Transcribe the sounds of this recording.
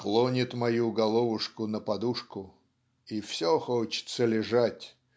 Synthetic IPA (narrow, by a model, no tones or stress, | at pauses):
xlˠonʲɪt̪mɐjuɡɐlˠovʊʂkʊnəpɐd̪uʂkʊ | ifsʲoxot͡ɕɪ̥t̪səlʲɪʐatʲ